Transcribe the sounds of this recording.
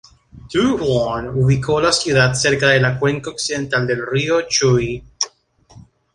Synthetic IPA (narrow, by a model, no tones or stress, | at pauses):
t̪uɔnuβikʰolasjuðat̪seɾkaðelakweŋkaoksiðent̪ald̪elriot͡ʃuj